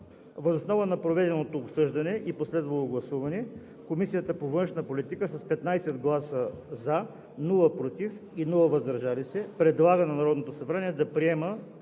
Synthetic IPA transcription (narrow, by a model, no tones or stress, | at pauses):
vɐzosnɔvənɐpɾovɛd̪ɛnot̪oːpsɤʒd̪ɐnɛʔiposlɛd̪vɐlˠoɡlˠɐsuvɐnɛ | komisijət̪əpovɤnʃnəpolit̪ikəsɐspɛt̪najsɛd̪ɡlˠasəza | nulˠəpɾot̪if | inulˠəvɐzd̪ɐɾʒalisɛpɾɛd̪lˠaɡənɐnɐɾɔd̪not̪osɐbɾaniɛd̪ɐpɾiɛmə